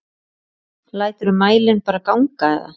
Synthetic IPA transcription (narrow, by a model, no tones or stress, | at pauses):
laːjt̪ʏɾʏmːaːjlɪnpaːɾakawŋkaɛ̰ða̰